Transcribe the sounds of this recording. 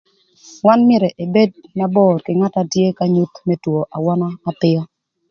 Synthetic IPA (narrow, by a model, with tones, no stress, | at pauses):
wa˦nmjɛ˦˨ɾɛ˨ʔe˨be˦d̚ma˦bɔ˦˨ɾkɪ˨ŋa˦ta˦tje˦ka˦ɲu˦t̪me˦two˨ʔa˨wɔ˦naː˦pɪ˦ɔ˦